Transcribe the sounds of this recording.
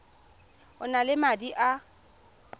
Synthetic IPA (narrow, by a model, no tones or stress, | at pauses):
ʊnalɪmadiʔa